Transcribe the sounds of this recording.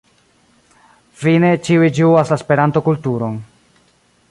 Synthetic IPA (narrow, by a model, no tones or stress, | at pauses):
fine̞t͡ʃiuid͡ʒiuaslaspe̞ɾanto̞kultuɾo̞n